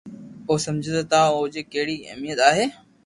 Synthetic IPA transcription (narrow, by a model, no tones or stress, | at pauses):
oːsɐmd͡ʑʱet̪ɐt̪ãʊɦd͡ʑekɐɦɪɽiɪ̰mijət̪aːɦeː